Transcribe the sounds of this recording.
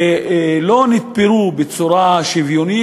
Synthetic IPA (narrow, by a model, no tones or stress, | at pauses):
lonit̪̚peɾubet͡suɾaʃivjoni